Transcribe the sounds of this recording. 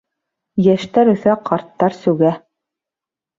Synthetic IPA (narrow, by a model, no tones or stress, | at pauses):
jæʃt̪æɾɵ̆θæqɑɾt̪ːɑɾsɵ̆wɡæ